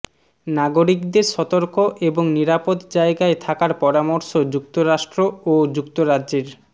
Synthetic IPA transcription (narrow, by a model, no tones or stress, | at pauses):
naɡoɾikd̪eɾʃɔt̪oɾkoʔeboŋniɾapod̪d͡ʑaeɡaet̪ʰakaɾpɔɾamoɾʃod͡ʑukt̪oɾaʃʈɾood͡ʑukt̪oɾadd͡ʑeɾ